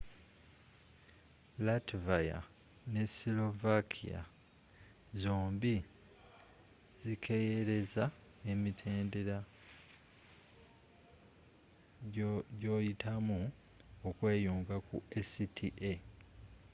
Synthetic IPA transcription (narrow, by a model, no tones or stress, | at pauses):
latvaja̰ | ne̞silo̞vakʰḭja̰ | zoːmbi | zikʰe̞jeɾe̞za | e̞mitʰe̞ːnde̞ɾa | ɟo̞ːjitʰamu | okwe̞ːjuːŋɡakṵesitʰiʔe